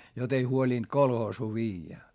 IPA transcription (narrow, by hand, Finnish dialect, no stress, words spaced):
jot ei huolind̥ kolhoːsuː ʋiːjːæ